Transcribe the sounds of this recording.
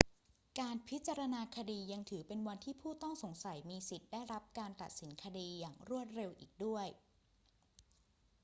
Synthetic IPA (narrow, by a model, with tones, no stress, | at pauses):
kaː˧npʰi˦˥t̪̚t͡ɕa˧ɾa˧naː˧kʰa˧diː˧ja˧ŋt̪ʰɯː˩˦pe˧nwa˧nt̪ʰiː˥˩pʰuː˥˩t̪ɔ˥˩ŋso˩˦ŋsa˩˦jmiː˧si˨˩t̪̚da˥˩jɾa˦˥p̚kaː˧nt̪a˨t̪̚si˩˦nkʰa˧diː˧jaː˨˩ŋɾu˥˩ət̪̚ɾe˧wʔiː˨˩k̚du˥˩əj